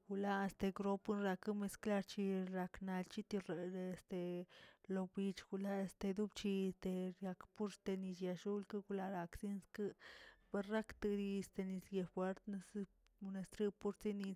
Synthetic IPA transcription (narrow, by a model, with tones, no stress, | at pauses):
ɡ̥u˧la˦e˧st̪e˧ɡɾo˦pu˦nɾa˧kɨ˦me˧skla˧ɾt͡ʃi˧ɾa˧kna˧lt͡ʃi˦t̪o˧ɾe˨˧ɾe˧st̪e˧lo˧bi˧t͡ʃɡ̥u˧la˦e˧st̪e˧d̪u˦bt͡ʃi˧st̪e˧ɾja˧kpu˦ɾst̪e˧ni˧t͡ʃja˧ʃu˦lkɨ˦ɡu˧la˧ɾa˧ksi˦nskɨ˦be˧ɾɾa˦kt̪ɨ˧d̪i˧e˨st̪e˧ni˧sje˧fwe˦ɾt̪ne˧s | u˧ne˧st̪ɾi˦pu˦ɾt͡si˦ni˧